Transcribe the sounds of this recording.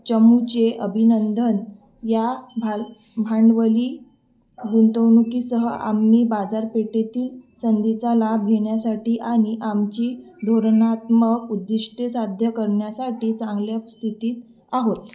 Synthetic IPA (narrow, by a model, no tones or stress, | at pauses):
t͡ɕəmut͡ɕeʔəbʱinənd̪ʱən | jabʱa | bʱaɳɖʋəliː | ɡunt̪əwnukisəɦəʔa̰mːiːbad͡zaɾpeʈet̪iːlsənd̪it͡salabʱɡʱeɳjasaʈiːʔaɽ̃iʔamt͡ɕiːd̪ʱoɾnat̪məkud̪ːiʂʈjesad̪ʱjəkəɾɳjasaʈiːt͡sãŋɡljast̪ʰit̪iːt̪ | aɦot̪